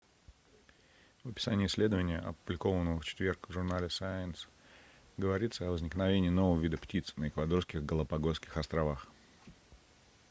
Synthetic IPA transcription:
vəpʲɪ̥sanʲɪjəɪsʲlʲe̞d̪əvənʲɪjəʔɐ̰pʊblʲɪkovənːəvəft͡ɕɪ̥t̪vʲe̞rkvʐʊrnalʲɪsaɪns | ɡəvɐɾʲit̪səɐvəzʲnʲɪknɐvʲenʲɪːnovəvəvʲid̪əptʲit̪snəɪkvɐd̪o̞rskʲɪɣɡəlˠəpɐɡoskʲɪxɐst̪ɾɐvax

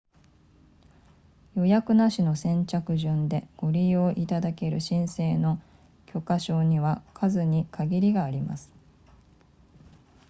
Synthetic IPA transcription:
jo̞jakɯ̟naɕino̞sẽ̞ɲ̟t͡ɕakɯ̟ʑɨ̃nd̪e̞ɡ̥o̞ɾʲijo̞ːʔit̪ad̪ake̞ɾɯ̟̰ɕĩɰ̃se̞ːno̞ | kʲʰo̞kaɕo̞ːɲ̟iβakʰazɨɲ̟ikʰaɡʲiɾʲiɡaːɾʲima̰sɨ̥

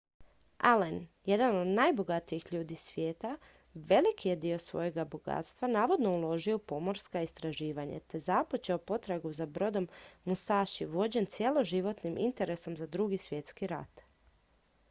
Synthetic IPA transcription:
alenje̞d̪ano̞d̪najbo̞ɡat̪iixʎuːd̪isʋje̞ːt̪a | ʋe̞likije̞d̪io̞sʋo̞̰je̞ɡaboɡa̰t̪st̪ʋanaːʋo̞d̪no̞ulˠo̞ʒio̞po̞mo̞ɾskaist̪ɾaʒiːʋaɲa̰t̪e̞zapot͡ɕeopo̞t̪ɾaɡuzabɾo̞d̪o̞mːust̪aːʃiʋo̞d͡ʑe̞nt̪sjelˠo̞ʒiʋo̞t̪nimʔḭnt̪e̞ɾe̞so̞mzad̪ɾuɡisʋje̞t̪skiɾa̰t̪

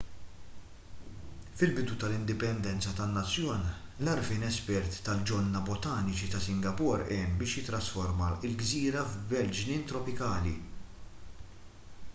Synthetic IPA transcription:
fɪlbɪd̪ut̪ɐlɪnd̪ɪpɛnd̪ɛnt͡sɐt̪ɐnːɐt͡sːjɔːnlɐɾfiːnɛspɛɾt̪ːɐld͡ʒɔlnːɐbɔt̪ɐːnɪt͡ʃit̪ɐsɪŋɡɐpɔːɾɛːmbɪːʃjɪt̪ɾɐsfɔɾmɐɪlɡziːɾɐvbɛld͡ʒnɪːnt̪ɾɔpɪkɐːli

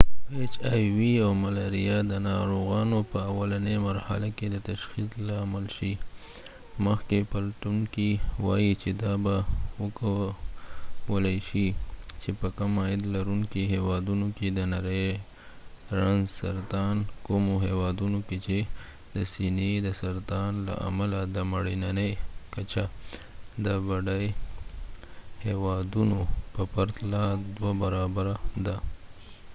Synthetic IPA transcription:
et͡ʃɑjwiawmalaɾijad̪ənɑɾoɣɑnopəawalanemaɾha̰laked̪ət̪aʃxizlɑmalʃi | məxkepalʈuŋkiwɑ̰jit͡ʃed̪ɑbawəka | wəlaʃit͡ʃepəkamɑjɪd̪laɾuŋkiɦewɑd̪unoked̪ənaɾə | ɾanzsaɾt̪ɑnkomoɦewɑd̪unoket͡ʃe | d̪əsined̪əsaɾt̪ɑnla̰ʔa̰malad̪əmaɽinanejkat͡ʃa | d̪əbaɖaj | hewɑd̪unopəpaɾt̪lad̪wabaɾɑbaɾad̪a

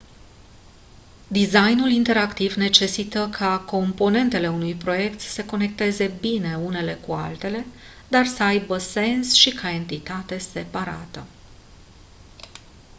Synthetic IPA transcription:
d̪izajnulint̪e̞ɾakt̪ivne̞t͡ʃe̞sit̪əkʰako̞mpo̞ne̞nt̪e̞le̞unujpɾo̞je̞kt̪səko̞ne̞k̚t̪e̞ze̞bine̞une̞le̞kua̰lt̪e̞le̞ | d̪arsəajbəse̞nsʃikʰae̞nt̪it̪at̪e̞se̞paɾa̰t̪ə

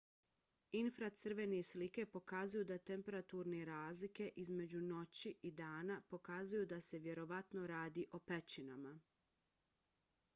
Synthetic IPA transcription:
infɾat̪sɨr̩ʋe̞neslike̞po̞kazujud̪at̪empe̞ɾat̪uɾneɾaːzlike̞ʔizme̞d͡ʑuno̞t͡ɕiʔid̪aːnapo̞kazujud̪ase̞ʋje̞ɾo̞ʋat̪no̞ɾaːd̪iʔo̞pet͡ɕinama

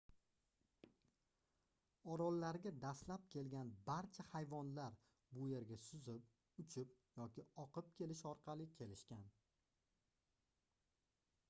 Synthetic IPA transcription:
ɒɾɒlˠːaɾɡʲad̪aslap̚kʲʰe̞lɡʲanbaɾt͡ʃʰahajvɒnlaɾ | bʊje̞ɾɡʲasʊzɪp | ʊt͡ʃʰɪp̚jɒkʲɪɒqʰɨp̚kʲʰe̞lɪʃɒɾqʰɑlɪkʲʰe̞lɪʃkʲan

